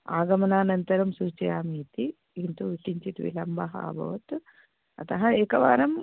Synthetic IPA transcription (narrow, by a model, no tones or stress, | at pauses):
a̰ːɡɐmɐnaːnɐnt̪ɐɾɐmsuɾt͡ʃɐjaːmiːt̪i | int̪uʋiʈiɲt͡ʃit̪ʋḭlɐmbɐɦɐa̰bʱɐ̰ʋɐt̪ | ɐ̰t̪ɐɦɐeːkɐʋaːɾɐm